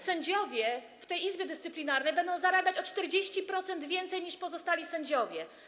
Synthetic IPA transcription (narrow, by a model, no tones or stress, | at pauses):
sɛɲd͡ʑɔvʲjɛ | ft̪ɛjizbʲjɛd̪ɘst̪sɘplʲinaɾnɛjbɛnd̪ɔ̃zaɾabʲat͡ɕɔt͡ʂt̪ɛɾd͡ʑeɕt͡ɕipɾɔt̪sɛnd̪vʲjɛnt̪sɛjɲiʂpɔzɔst̪alʲisɛɲd͡ʑɔvʲjɛ